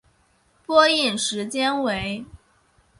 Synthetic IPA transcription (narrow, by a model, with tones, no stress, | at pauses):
pwɔ˥i˥˩nʂɻ̩˧˥t͡ɕjɛ˥nwe˧˥ɪ